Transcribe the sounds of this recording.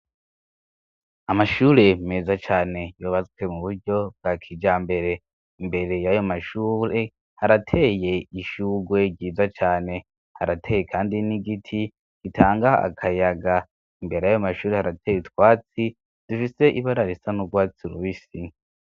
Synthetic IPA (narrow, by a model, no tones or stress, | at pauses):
amaʃuːɾe̞me̞ːzat͡ʃaːne̞joːβat͡swe̞muβuɾɟo̞b̚ɡakʰid͡ʒaːmbe̞ɾe̞ | imbe̞ɾe̞jajo̞maʃuːɾe̞ | haɾatʰe̞ːje̞iʃuːɡwe̞ɡɟiːzat͡ʃaːne̞ | haɾatʰe̞ːje̞kʰaːndiniɡitʰi | ɡ̥itʰaːŋɡaa̰kʰajaɡa | imbe̞ɾe̞jajomaʃuːɾe̞haɾatʰe̞ːjiitwaːt͡si | d̥ifise̞ʔiβaɾaɾisanuɡwaːt͡siɾuβisi